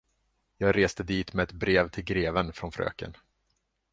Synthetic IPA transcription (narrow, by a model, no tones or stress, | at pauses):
jɑːɡɾeːst̪əd̪iːt̪mɛɛt̪bɾeːvt̪ʰɪlɡɾeːvənfɾɔnfɾø̰ːkə̰n